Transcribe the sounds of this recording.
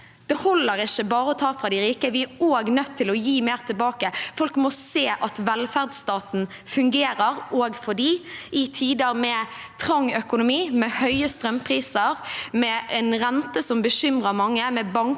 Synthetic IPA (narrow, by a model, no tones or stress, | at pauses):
d̪̥ɛhɔlːəɾɪʃəbɑːɾəɔt̪ʰɑːfɾɑd̪ɪɾiːkəʋɪæɾoːɡnœt̪ʰːɪlɔjiːmeːʁt̪ʰɪlbɑːkəfɔlkmɔseːʔɑt̪ʋɛlfæʁd̪st̪ɑːt̪n̩ | fʉŋɡeːɾəɾoːɡfɔɖiːʔɪt̪ʰiːd̪əɾmɛ | t̪ʰɾɑŋːœkʊnʊmiːmɛhœʏəst̪ɾœmpʰɾiːsəɾmɛʔɛnɾɛnt̪əsɔmbəɕʏmʁəɾmɑŋːəmɛbɑŋk